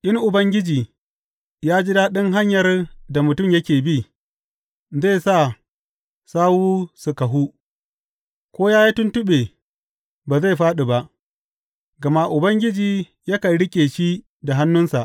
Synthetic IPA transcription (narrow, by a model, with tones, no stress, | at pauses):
ʔɪ˦ŋʔʊ˨bɐ˦ŋɡʲɪ˦d͡ʒiː˨ | jaː˦d͡ʒɪ˦daː˦ɗɪ˦ŋɦa˦ɲjɐ˨rda˨mʊ˨tʊ˦˨mjɐ˦kʲeː˨bi˦˨ | ze˦˨sa˦˨ | saː˦wuː˦su˨kɐ˨ɦu˦ | kʷoː˦jaː˦ji˦tʊ˦ntʊ˦ɓe˨ | baː˨za˦˨jɸaː˦ɗi˨ba˦ʔ | ɡɐ˨ma˦ʔʊ˨bɐ˦ŋɡʲɪ˦d͡ʒiː˨ | jɐ˦kɐ˨ɽɪ˦kʲʼeː˨ʃi˦ | da˨ɦa˦nːʊ˦nsa˨ʔ